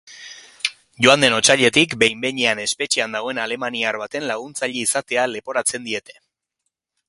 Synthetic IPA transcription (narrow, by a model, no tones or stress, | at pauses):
ʝoand̪e̞no̞t͡ʃaʎe̞t̪ikbe̞jmbe̞ɲeane̞spe̞t͡ʃiand̪aɣ̞o̞e̞nale̞maniaɾβat̪e̞nlaɣ̞unt͡saʎeisat̪e̞ale̞po̞ɾat͡se̞nd̪ie̞t̪e̞